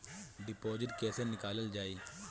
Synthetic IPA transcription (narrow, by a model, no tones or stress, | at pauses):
ɖɪpoːd͡ʒɪʈkɛːsenɪkaːləld͡ʒaːi